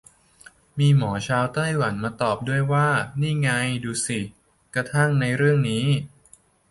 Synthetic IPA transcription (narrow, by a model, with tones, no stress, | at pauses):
miː˧mɔː˩˦t͡ɕʰaː˧wt̪a˥˩jwa˩˦nmaː˧t̪ɔː˨˩p̚du˥˩əjwaː˥˩niː˥˩ŋa˧jduː˧si˨˩ | kɾa˧t̪ʰa˥˩ŋna˧jɾɯ˥˩əŋniː˦˥